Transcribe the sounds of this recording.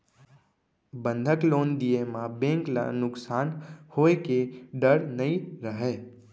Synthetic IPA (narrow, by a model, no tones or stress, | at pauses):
bə̃nd̪ʱəkloːnd̪iemãbẽːŋkla̰nʊksaːnhoːekeɖəɽnəĩɾəɦeː